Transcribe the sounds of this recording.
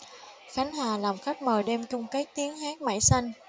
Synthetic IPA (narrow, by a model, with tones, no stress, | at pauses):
xa˨˦ŋ̟haː˨˩laː˨˩mxa˦˥jk̚məː˨˩jɗe˧mt͡ɕʊ˧ŋ͡mka˨˦˥jk̚t̪i˨˦əŋhaː˦˥k̚ma̰˧˩jsa˧jŋ̟